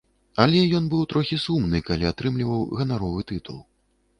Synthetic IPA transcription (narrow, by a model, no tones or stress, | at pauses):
alʲɛjɔnbɨwt̪ɾɔxʲisumnɨkalʲiat̪ɾɨmlʲivɐwɣɐnaɾɔvɨt̪ɨt̪ṵlˠ